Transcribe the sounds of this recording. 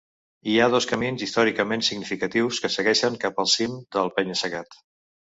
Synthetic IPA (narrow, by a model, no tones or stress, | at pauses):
iaðɔskəminzist̪ɔɾikəmensiɡnifikət̪iwskəsəɣɛʃəŋkapəlˠsimd̪əlˠpɛɲəsəɣat̪